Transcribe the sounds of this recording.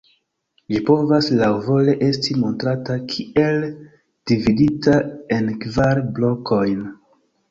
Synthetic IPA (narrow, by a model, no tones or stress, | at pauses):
lipo̞vaslawvo̞le̞ʔe̞stimo̞ntɾatakʰie̞l | d̥ividitae̞nkvaɾblokʰo̞jn